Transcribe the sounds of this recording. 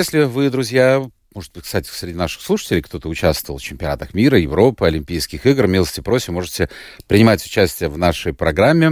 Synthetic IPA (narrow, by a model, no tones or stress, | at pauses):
esʲlʲɪvɨd̪ɾʊzʲja | mo̞ʐɨd̪̚b̥ɨt̚ʲkst̪atʲɪ̥fsʲɾʲɪdʲinaʂɨ̥xslˠuʂɨ̥tʲɪlʲɪjkt̪o̞t̪əʊt͡ɕæst̪vəlˠft͡ɕɪmpʲɪɐna̰t̪əxmʲiɾəjɪvɾo̞pɨɐlʲɪmʲpʲijskʲɪxiɡrmʲilˠəsʲtʲɪpɾo̞sʲɪmo̞ʐɨtʲɪpɾʲɪnʲɪmatʲʊ̥t͡ɕæsʲtʲɪjəvnaʂəjpɾɐɡɾamʲːɪ